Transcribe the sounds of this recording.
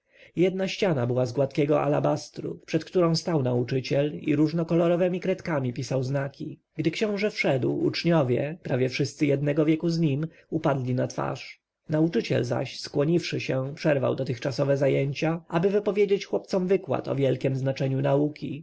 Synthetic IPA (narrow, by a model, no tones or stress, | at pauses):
jɛd̪naɕt͡ɕanabɘwazɡwat̪kʲɛɡɔʔa̰labast̪ɾṵpʂɛt̪kt̪uɾɔ̃w̃st̪awnaut͡ʂɘt͡ɕɛlḭɾuʐnɔkɔlɔɾɔvɛmʲikɾɛt̪kamʲipʲisawznakʲi | ɡd̪ɘkɕɔ̃w̃ʐɛfʂɛd̪wṵt͡ʂɲɔvʲjɛpɾʔavjɛfʂɘst̪sɘjɛd̪̚nɛɡɔvjɛkuzɲim | upad̪lʲinat̪fa̰ʂ | naut͡ʂɘt͡ɕɛ̰lza̰ɕskwɔɲifʂɘɕɛpʂɛɾva̰wd̪ɔt̪ɘxt͡ʂasɔvɛzajeɲt͡ɕaʔabɘvɘpɔvʲjed͡ʑet͡ɕxwɔp̚t̪sɔmvɘkwa̰t̪ɔ̰vʲjɛlkʲɛmznat͡ʂɛɲunaukʲi